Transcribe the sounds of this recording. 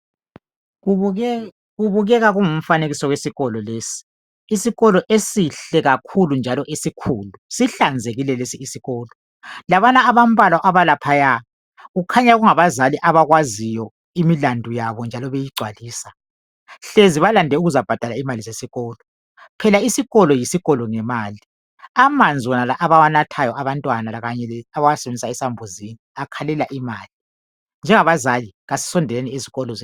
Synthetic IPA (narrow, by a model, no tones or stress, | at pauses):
ɣuβuɣɛɣaɣuŋum̩faneɣisɔɣwesiɣɔlɔleːsi̥ː | siɣɔlɔʔesiɬɛɣakʰulund͡ʒʱalɔʔesikʰuːlusiɬand͡zʱeɣilɛlesiːsiɣɔːlɔ | laβanaːβam̩bʱalwaʔaβalapʰaja | ɣukʰaɲaɣuŋaβazaliʔaβaɣwazijɔ | imilandʱujaβɔnd͡ʒʱalɔβejiɡ͡ǀʱwaliːsa | ɬeziβalandʱɛuɣuzab̥ʱad̥ʱalaimalizesiɣɔːlɔ | pʰɛlaisiɣɔlɔjisiɣɔlɔŋɛmaːli | amand͡zʱiwɔnalaʔaβawanatʰajɔʔaβantʼwanalaɣaɲɛɛaβawasɛβend͡zʱisaɛsambʱuziniakʰalɛlaʔimaːli | nd͡ʒʱɛŋaβazaliɣasi̥sɔndʱɛlenɛeziɣɔlɔ